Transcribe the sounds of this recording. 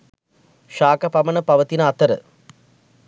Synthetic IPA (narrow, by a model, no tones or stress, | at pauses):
ʃaːkɐpɐmɐnəpɐʋət̪inəat̪əɾə̰